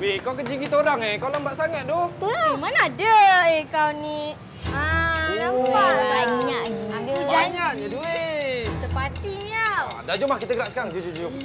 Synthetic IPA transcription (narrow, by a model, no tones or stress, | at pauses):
wekawkəd͡ʒiɡit̪oɾaŋekawlambaʔsaŋat̪̚doamanaːdəekawni | aaabaɲaʔiadud͡ʒaɲaʔɲaduesəpat̪iɲaa̰daʔd͡ʒumahkit̪aɡəɾaʔskaaŋd͡ʒud͡ʒudad͡ʒum